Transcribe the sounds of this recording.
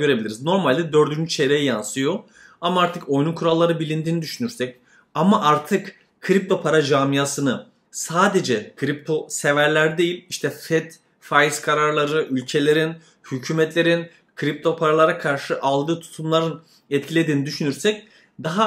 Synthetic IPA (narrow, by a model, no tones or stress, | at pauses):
ø̞ɾebilʲiɾizno̞ɾmalʲd̪ɛd̪ø̞ɾd̪ynd͡ʒyt͡ʃʰe̞ɾejijansɯjo̞ | amaaɾt̪ʰɯko̞jnukʰuɾalˠːaɾɯbilʲind̪iːnid̪yʃynyɾsɛc | amaʔaɾt̪ʰɯk | kʰːɯɾip̚t̪ʰo̞pʰaɾad͡ʒaːmijasɯnɯ | saːd̪e̞d͡ʒɛkʰɯɾip̚t̪ʰo̞se̞væɾlʲæɾd̪e̞jilʲiʃt̪ʰɛfɛt̪ | fajizkʰaɾaɾlˠaɾɯʔylʲcʰe̞lʲe̞ɾin | hycʰyːmɛt̪ʰlʲe̞ɾin | kʰɯɾip̚t̪ʰo̞pʰaɾalˠaɾakʰaɾʃɯʔalˠd̪ɯːt̪ʰu̥t̪ʰumlˠaɾɯn | ɛt̪cʰilʲe̞d̪iːnid̪yʃynyɾsɛc̚ | d̪aɦa